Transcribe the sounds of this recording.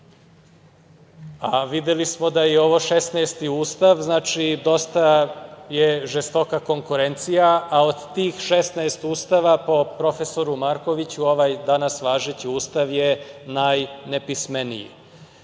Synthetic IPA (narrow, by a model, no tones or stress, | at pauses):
aʋid̪elismo̞d̪ajeo̞ʋoʃesnaest̪iuːst̪aʋznaːt͡ʃid̪o̞st̪aje̞ʒest̪o̞kako̞ŋkuɾent̪sijaaod̪t̪iːxʃest̪naest̪uːst̪aʋapo̞pɾo̞feso̞ɾumaɾko̞ʋit͡ɕuo̞ʋajd̪anasʋaːʒet͡ɕiuːst̪aʋjenajnepismenḭjḭ